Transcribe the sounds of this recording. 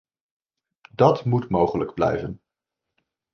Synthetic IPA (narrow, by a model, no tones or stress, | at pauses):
dɑtmutmowχələɡblɛ̰jvən